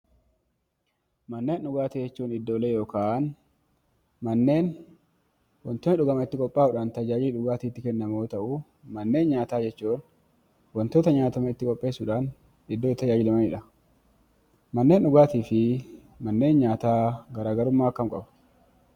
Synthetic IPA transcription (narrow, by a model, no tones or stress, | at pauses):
mɐnːeːnʊɡaːt̪ɪd͡ʒɛt͡ʃːuːnɪd̪ːoːlejoːkaːʔn | mɐnːe̞ːn | wɔnt̪oːnɪᶑʊɡɐmɐɪt̪ːɪkʼɔpʼːaːʊᶑaːnt̪ɐd͡ʒaːd͡ʒɪlɪᶑʊɡaːt̪iːt̪ːɪkɛnːɐmo̞ːt̪ɐʔʊ | mɐnːe̞ːnɲaːt̪aːd͡ʒɛt͡ʃːuːn | wɔnt̪oːt̪ɐɲaːt̪ɐmɐɪt̪ːɪkʼɔpʼːe̞ːsʊᶑaːn | ɪd̪ːoːt̪ːɐd͡ʒaːd͡ʒɪlɛmɐnɪᶑɐ | mɐnːeːnʊɡaːt̪iːfɪ | mɐnːe̞ːnɲaːt̪aːɡɐɾaːɡɐɾʊmːaːɐkːɐmkʼɐbʊ̥